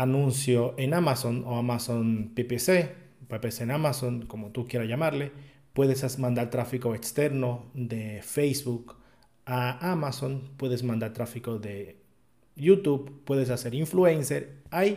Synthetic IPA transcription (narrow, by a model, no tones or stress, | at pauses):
anũnsjoʔenamasonoamasonpepese | pepesenamasonkomot̪ukjeɾaʝamaɾle | pweðesasmãnd̪aɾt̪ɾafikoekst̪eɾnod̪efejsβuk | aamasonpweðes̬mãnd̪aɾt̪ɾafikoðe | ʝut̪uβpːwe̞ðes̬aseɾiɱfluenseɾaj